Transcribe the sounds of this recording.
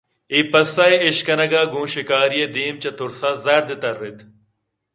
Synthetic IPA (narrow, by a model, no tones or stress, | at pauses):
ipɐsɐːiɪɕkɐnɐɡaːɡũːʃikaːɾijed̪iːmt͡ɕɐt̪ʊɾsaːzɐɾd̪it̪ɐɾɪt̪ʰ